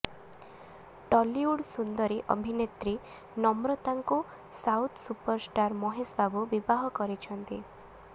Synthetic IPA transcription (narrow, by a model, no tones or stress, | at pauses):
ʈɔliuɽsund̪ɔɾeʔɔ̰bʱinet̪ɾi | nɔmɾɔt̪aŋku | sawt̪ʰsupɔɾsʈaɾmɔɦesbabubibaɦɔkɔɾit͡ʃʰɔnt̪i